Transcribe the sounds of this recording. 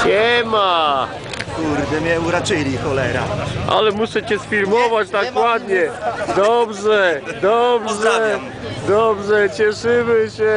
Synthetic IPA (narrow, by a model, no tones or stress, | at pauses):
ɲɛma | kuɾd̪ɛmʲɲɛuɾat͡ʂɘlʲixɔlɛɾa̰ʔa̰lɛmuʂɛt͡ɕɛsfʲiɾmɔvad͡ʑt̪akwad̪ɲɛd̪ɔɔbʐɛd̪ɔbʐɛ | d̪ɔbʐɛt͡ɕɛʂɨmɘɕɛ